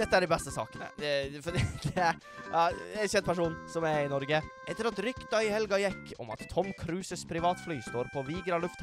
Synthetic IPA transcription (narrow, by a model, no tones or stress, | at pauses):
d̪ɛt̪ːəæɖɛbɛst̪əsɑ̰ːkənə̰ɛfɔd̪id̪̥ɛ | ɑɛçɛnd̪pʰæʂuːnsɔmæɾɪnɔɾɡəʔɛt̪ːəɾɑt̪ɾʏkd̪œʏhɛlɡɑjɛkʰːɔ̰mɑ̰t̪ʰːɔmkʰɾʉːsəspʰɾɪʋɑːt̪flyːst̪oːɾpʰɔʋiːɡɾɑlʉft̪